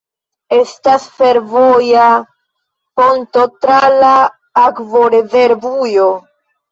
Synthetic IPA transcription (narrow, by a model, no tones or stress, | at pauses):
e̞stasfe̞ɾvoja | ko̞nto̞tɾalaː | kvo̞ɾeze̞ɾvujo